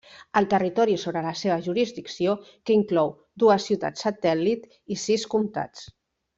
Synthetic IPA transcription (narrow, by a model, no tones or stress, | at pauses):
əlˠt̪ərit̪ɔɾisoβɾələseβ̞əʒuɾizd̪iksiokəiŋklɔw | d̪uəsːiuwt̪a̰t͡sːət̪ɛlit̪ | isiskumt̪a̰t͡s